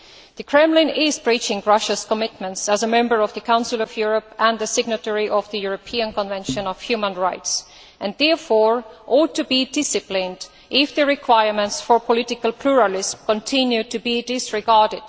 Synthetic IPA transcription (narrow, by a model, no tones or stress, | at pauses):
ðɨkʰɹ̥ɛ̃mlɪ̃nɪzbɹit͡ʃɪ̃ŋɹʌʃəskɔmɪtmə̃ntsæzəmɛ̃mbə˞ɔvðɨkʰãʊ̃nsɪlɔvjuɹɔpæ̃nðɨsɪɡ̚nətɛɹiʔɔvðɨjuɹopʰiə̃nkɔ̃nvɛ̃nʃə̃nɔv̥hjʉmə̃nɹaɪts | ʔæ̃nðɛɹfɔɹʔɔd̚tːubidɪsɨplɪ̃nd | ʔɪfðɨɹɪkʰw̥aɪəɹmə̃ntsfɔɹpʰɔlɪtɪkəlpʰl̥uɹəlɪsmkɔ̃ntʰɪ̃njʉtɨbidɪsɹɪɡɑɹdɪd̥